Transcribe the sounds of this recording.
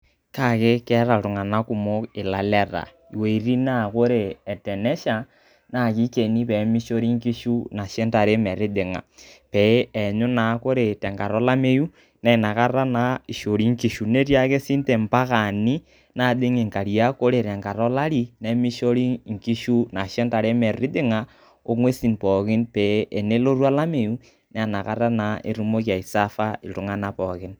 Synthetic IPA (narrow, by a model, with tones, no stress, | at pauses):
ka˦˨ke˦kɛ˦ɾa˨ɾo˨ŋa˨na˦ku˦mo˦e˨la˨lɛ˦˨ɾa̰˨ | i˨we˨i˨ɾi˦na˦˨ko˦ɾe˨ɛ˨tɛ˨nɛ˦ʃa˨ | na˦˨ki˦ke˨ni˦pɛ˨˦mi˦ʃo˦ɾi˦ŋki˦ʃu˦na˨ʃe˦nta˨ɾe˦mɛ˨ɾe˦ðe˨ŋa̰˨pɛ˨˦ɛ˨ɲo˦na˨˦ko˦ɾe˨tɛ˨ŋɡa˨ɾɔ˦la˦me˦ju˦ | nɛ˦i˨na˨ka˦ɾa˦na˨i˨ʃo˨ɾi˦ŋki˨ʃu˨ne˦ɾja˦ke˦si˦nte˨mpa˦ka˨ni˦ | na˦˨dɪ˦ŋi˨ŋka˨ɾi˨a˦ko˦ɾe˨ɾɛ˨ŋka˨ɾɔ˦la˦ɾi˦nɛ˨mi˦ʃo˦ɾi˦ŋ̩˨ki˦ʃu˦na˨ʃɛ˦nta˨ɾe˦mɛ˨rɪ˦dɪ˦ŋa˨ | o˦ŋwe˦si˨npɔ˨kɪ˦npɛ˨˦e˨ne˦lo˦ɾwa˦la˦me˨ju˦ | nɛ˦˨na˨ka˦ɾa˦na˨˦ʔe˨ɾu˦mo˦k̬ja˨i˨sa˦fa˦ɪ˨tʊ˦ŋa˦na˨pɔ˨kɪ˦n